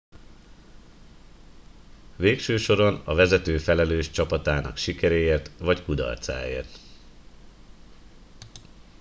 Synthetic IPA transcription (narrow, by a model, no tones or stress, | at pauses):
veːkʃøːʃo̞ɾo̞nɒvɛzɛt̪øːfɛlɛløːʃt͡ʃɒpɒt̪aːnɒ̰kʃikɛɾeːeːrt̪ʋɒckud̪ɒ̰rt̪sa̰ːḛːrt̪